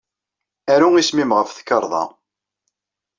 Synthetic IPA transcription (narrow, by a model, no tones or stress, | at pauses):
æɾuŋismimʁəfθə̥kːəɾˤðˤɑ̰